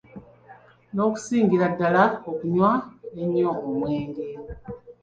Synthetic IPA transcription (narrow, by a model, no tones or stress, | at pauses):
no̞ku̥siːŋɡiɾadːalaokuɲwaeɲːoomweːŋɡe